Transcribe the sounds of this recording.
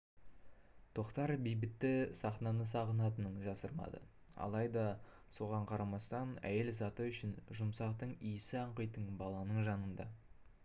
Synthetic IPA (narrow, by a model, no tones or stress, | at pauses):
t̪ʰo̞qt̪ɑɾbijbɪt̪ːɪsɑχnɑnəsɑʁənɑt̪ənəɴʒɑsəɾmɑ̰d̪ə̰ | ɑ̰lˠɑjd̪ɑ | so̞ʁɑɴqʰɑɾɑmɑst̪ɑnæ̰je̞lzɑt̪əʏʃɪnʒʊmsɑqt̪əɴijsɪɑɴqəjt̪əɴbɑlˠɑnəɴʒɑnənd̪ɑ